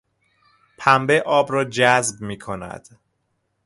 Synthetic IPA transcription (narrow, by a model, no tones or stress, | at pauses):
pʰæmbeʔɒːbɾɒːd͡ʒæzb̚miːkʰonæ̰d̪̥